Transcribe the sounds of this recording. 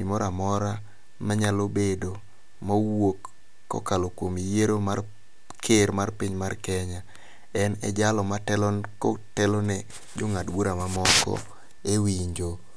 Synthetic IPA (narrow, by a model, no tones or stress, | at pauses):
ḭmɔɾamɔɾa | maɲalobedo | mawokː | ɔ̰kalokwomijeɾomar | kʰeɾmarpiɲmarkɛɲa | ɛnɛ̰d͡ʒalɔmatɛlɔkotɛlonɛ | d͡ʒoŋadwoɾamamɔkɔ̰ | ewiɲd͡ʒo